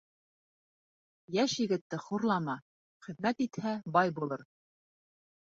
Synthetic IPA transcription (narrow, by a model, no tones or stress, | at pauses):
jæʃjɘ̆ɡɘ̆t̪ːɘχuɾlˠɑmɑ | χɘ̆ðmæt̪it̪hæbɑjbulˠɤɾ